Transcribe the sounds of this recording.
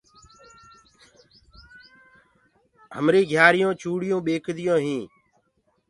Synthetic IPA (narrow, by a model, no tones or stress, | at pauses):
ɦə̰mɾiːɡʱjaːɾɪjõːt͡ʃʰuːɽɪjõːɓeːkʰd̪ɪjõːɦĩː